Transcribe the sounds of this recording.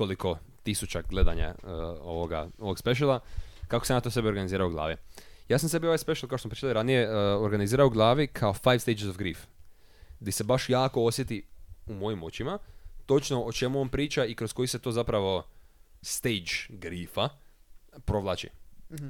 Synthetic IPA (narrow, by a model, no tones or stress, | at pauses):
oliko̞ | t̪isut͡ʃaɡle̞d̪a̰ɲa̰əo̰ʋoɡa̰o̞ʋoɡspeʃ̬elˠakako̞senat̪ose̞bio̞ɾɡaniziːɾaoɡlˠa̰ːʋi | jaːsamse̞bioʋajspe̞ʃelˠkaoʃosmpɾit͡ʃit̪alˠiɾanijeoɾɡaniziːɾaoɡlˠaːʋikʰao̞fajʋst̪ed͡ʒezofɡɾiːf | d̪ise̞baʃjaːko̞osje̞t̪iumo̞jimo̞t͡ʃimat̪o̞t͡ʃno̞ot͡ʃe̞muo̞npɾiːt͡ʃaikɾosko̞jiset̪o̞ːzapɾaʋo̞ | st̪ejd͡ʒɡɾiːfa | pɾo̞ʋlˠaːt͡ʃḭ